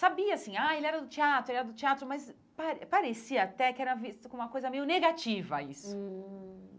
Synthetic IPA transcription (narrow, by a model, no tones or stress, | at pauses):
sabiɐasĩaelɪɛɾɐd̪ʊt͡ʃiat̪ɾʊelɛɾɐd̪ʊt͡ʃiat̪ɾʊmɐz | paɾpaɾesiɐːt̪ɛkɪɛɾɐvist̪ɐkõũmɐkojzɐmejʊneɡat͡ʃivɐ̰ḭsʊ